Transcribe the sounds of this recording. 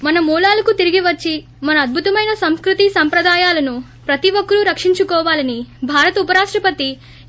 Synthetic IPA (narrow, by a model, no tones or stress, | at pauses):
mɐnɐmuːlaːlɐkut̪iɾiɡiʋɐt͡ʃːi | mɐnɐːd̪̚bʱut̪ɐmɐjnɐsɐmskɾut̪isɐmpɾɐd̪aːjaːlɐnu | pɾɐt̪iʋokːɐɾuɾɐkʂiɲt͡ʃukɔːʋaːlɐnibʱaːɾɐt̪ɐupɐɾaːʂʈɾɐpɐt̪i